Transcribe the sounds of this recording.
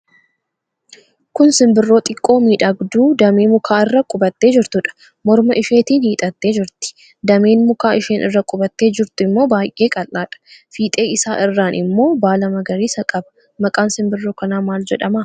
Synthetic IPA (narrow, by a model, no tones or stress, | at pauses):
kʊnsɪmbɪrːo̞ːt̪ʼɪkʼːo̞ːmiːᶑɐɡd̪uːd̪ɐmeːmʊkʰaːɪrːɐkʼʊbɐt̪ːe̞ːd͡ʒɪɾt̪ʊᶑɐ̥ | mɔɾmɐʔɪʃeːt̪iːnhiːt̪ʼɐt̪ːe̞ːd͡ʒɪɾt̪ɪ̥ | d̪ɐmeːnmʊkaːʔɪʃeːnʔɪ̰rːɐkʼʊbɐt̪ːe̞ːd͡ʒɪɾt̪ʊɪmːo̞ːbaːjʔeːkʼɐlːaːᶑɐ̥fiːt̪ʼe̞ːɪsaːʔɪrːaːnʔɪmːo̞ːbaːlɐmɐɡɐɾiːsɐkʼɐbɐ̥ | mɐkʼaːnsɪmbɪrːo̞ːkɐnaːmaːld͡ʒɛᶑɐma